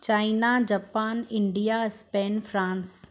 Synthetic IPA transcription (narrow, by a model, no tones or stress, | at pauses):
t͡ɕaːinad͡ʑaːpaːnɪ̃ɳɖijaspeːnfɾãːns